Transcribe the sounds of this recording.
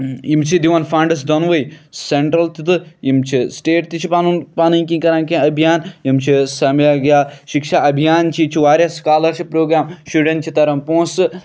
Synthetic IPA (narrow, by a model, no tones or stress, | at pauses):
jimt͡ʃʰid̪iʋɐnfãːɳɖɐs̬d̪onʋejseɳʈɾɐlt̪it̪ɨjimt͡ʃʰisʈeːʈt̪it͡ʃʰipaːnunpaːniŋkĩkɐɾãːnkẽɐbʱijaːnjimt͡ʃʰisaːmilaːɡjaːʃikʃaʔɐbʱijaːnt͡ʃʰit͡ʃʰiʋaːɾʲjɐskaːlɐɾt͡ʃʰipɾoːɡɾaːmʃuɖẽnʈt͡ʃʰit̪ɐɾɐmpõːsɨ